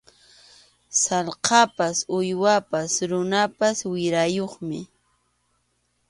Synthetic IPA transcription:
sɑlqɑpasʊjwapasɾʊnapaswɪɾajoχmɪ̰

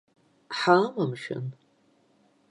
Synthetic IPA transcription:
ħamamʃᶣa̰n

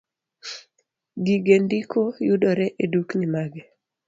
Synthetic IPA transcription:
ɡiɡendikʰojudɔɾɛʔeduknimaɡɛ

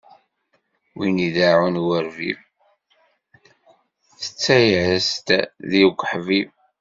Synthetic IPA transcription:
winiðaʕunwəɾvḭv | θə̥t͡sːæjʕəst̪ðiɡʷħviv

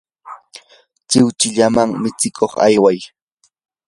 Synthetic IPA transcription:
t͡ʃɪwt͡ʃɪʎamaŋmɪt͡sɪkʰoχa̰jwaj

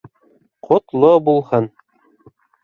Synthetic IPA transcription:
qʰŏt̪lˠobulˠhɤn

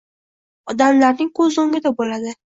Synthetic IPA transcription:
ɒd̪amlaɾnɪŋkʰɵzoŋɡʲɪd̪abolad̪ɪ

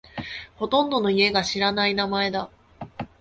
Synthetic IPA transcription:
ho̞t̪õ̞nd̪o̞no̞ie̞ɡaɕiɾanainamae̞d̪a

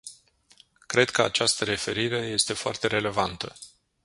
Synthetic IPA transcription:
kɾe̞d̪kəa̰t͡ʃast̪əɾe̞fe̞ɾiɾe̞je̞st̪e̞foa̰rt̪e̞ɾe̞le̞vant̪ə

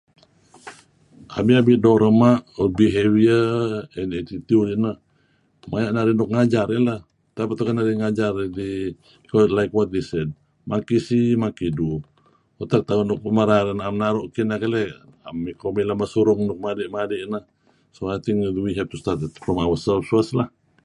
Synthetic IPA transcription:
a̰miabidoɾəmaʔɔbiɦewiəɛnet̪it̪ulinə | majaʔnaɾinɔk̚ŋad͡ʒaɾilah | t̪apat̪ukanaɾiŋad͡ʒardi | kɔlajkwɔt̪̚d̪esɛd̚ | makisimakidu | ot̪ak̚t̪aunɔk̚maɾaɾinamnaɾɔʔkinakalɛa̰mikomilamasuɾuŋnɔk̚madɛʔmadɛʔnəh | soajt̪iŋkwiɦɛf̚t̪ust̪at̪ɛt̪̚fɾɔmawasɛlfsuaslah

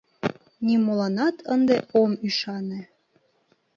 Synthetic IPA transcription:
nʲimolɑnɑt̪ʰənd̪eomyʃɑne

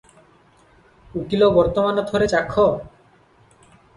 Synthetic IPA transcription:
ukilobɔɾt̪omanot̪ʰoɾet͡ɕakʰːo

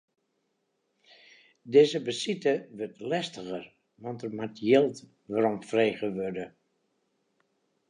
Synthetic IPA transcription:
dɪzəbəsitəʋørtlɛstəɣər | ʋɔntərmatjɪlˠt | ʋaɾɔmfreːɣəʋødə

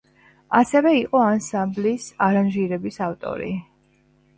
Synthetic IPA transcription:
asɛvɛiqʼɔansamblisaɾanʒiɾɛbisaft̪ʼɔ̰ɾḭ

